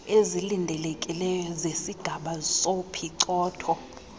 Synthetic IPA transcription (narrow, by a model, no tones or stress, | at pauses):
ezilindʱɛlɛkʼilɛjɔzesiɡ̥ʱaɓasopʰiǀɔːtʰɔ